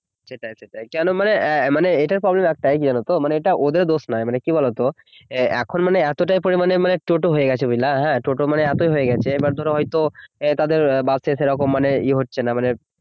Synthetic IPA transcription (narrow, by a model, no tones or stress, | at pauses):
t͡ɕʰeʈajt͡ɕʰet̪ajkɛnomanemaneeʈaɾpɾɔblemɛk̚ʈajkid͡ʑanot̪omaneeʈaʔod̪eɾd̪osnajmanekibɔlot̪o | ɛ̰kʰonmaneɛt̪oʈajpoɾimanemaneʈoʈoɦojeɡɛt͡ɕʰebilaɦɛ̃ʈoʈomaneɛt̪ojɦojeɡɛt͡ɕʰeebaɾd̪ʱɔɾeɦɔjt̪ot̪ad̪eɾbad̪seʃeɾɔkomːaneiɦotːɕʰenamane